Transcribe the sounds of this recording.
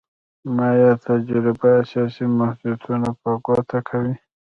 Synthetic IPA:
majat̪ad͡ʒɾɪbaːsasimahd̪ut̪ʰunapaɡot̪ʰakʰawi

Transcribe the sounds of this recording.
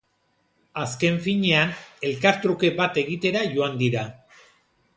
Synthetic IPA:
aske̞ɱfiɲe̞ane̞lkaɾt̪ɾuke̞bat̪e̞ɣit̪e̞ɾajo̞and̪iɾa

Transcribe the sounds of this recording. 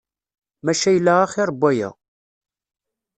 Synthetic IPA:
mæʃæjəlːaʁaχiɾˤəbʷːæjæ̰

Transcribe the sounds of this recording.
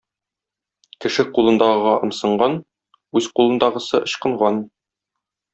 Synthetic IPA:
kɘ̆ʃɘqulˠɤ̆nd̪ɑʁɤʁɑʔɤ̆msɤ̆ɴɢɑn | ʉzqulˠɤ̆nd̪ɑʁɤ̆sɤʔɤ̆ɕqɤ̆ɴʁɑn

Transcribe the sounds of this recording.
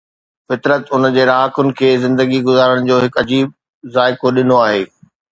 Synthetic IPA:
fɪt̪ɾət̪ʊnəd͡ʑeːɾaːkʊnɪ̆kʰeːzɪ̃nd̪əɡiɡʊzaːɾəɽ̃d͡ʑoːɦɪkɐd͡ʑiːb̚ | zaːɪkoɗɪnoaːɦeː

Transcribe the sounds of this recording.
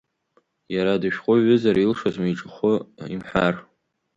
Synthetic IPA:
jaɾadɨʃᶣqʷʼʊɥʏzaɾailʂazmajʈ͡ʂʼɨχʷʊḭmħar

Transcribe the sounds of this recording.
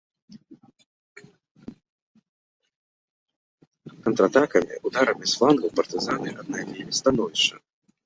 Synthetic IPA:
kɐnt̪ɾɐt̪akɐmʲḭud̪aɾɐmʲisflˠanɡɐwpɐrt̪ɨzanɨʔad̪̚najvʲɛmʲist̪anɔvʲiʂɐ̰

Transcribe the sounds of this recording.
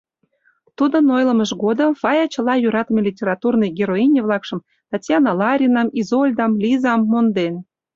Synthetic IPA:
t̪ud̪ə̆nojlə̆məʒɡod̪əmfɑjɑt͡ɕə̆lɑjuɾɑt̪əmʲelʲitʲeɾɑt̪urnəjɡʲeɾoinʲevlˠɑkʃə̆m | t̪ɑtʲjɑnɑlɑɾʲinɑmizolʲd̪ɑmlʲizɑmːond̪en

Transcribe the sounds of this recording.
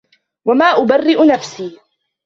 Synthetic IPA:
wamaːʔʊbarːɪʔʊnafsiː

